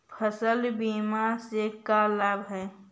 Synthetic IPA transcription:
pʰəsəlbiːmaɾsekalaːbɦɛː

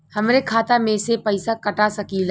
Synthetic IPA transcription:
hɐmɾekʰaːt̪amẽsepɐɪsakɐʈasɐkilː

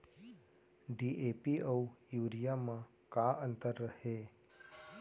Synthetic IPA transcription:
ɖiʔepiəujuːɾijamã | kaʔənt̪əɾːəhe

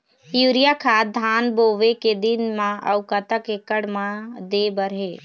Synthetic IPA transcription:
juːɾijakʰaːd̪ʱaːnboːʋeked̪ɪnmãɐ̰ʊkat̪akekəɽmãd̪eːbəɾɦeː

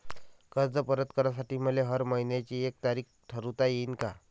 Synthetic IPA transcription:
kəɾd͡zəpəɾət̪kəɾjas̬aʈiːm̤əleɦəɾməinjat͡ɕiːek̚t̪aɾiːkʈ̪ʰəɾut̪ajeiːnka

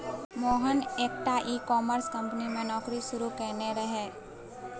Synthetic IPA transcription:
mɔːɦəneːkʈaʔiːkɔːməɾskɐ̃mpnimenɔːkɾiʃʊɾukɛːneɾɐɦeː

